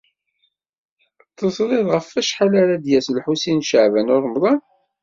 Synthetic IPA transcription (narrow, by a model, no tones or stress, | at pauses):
t̪ˤːəsɾˤɪðʁəfːæʃħalaɾad̪jæslħusinʃəʕvænʊɾˤmðˤɑn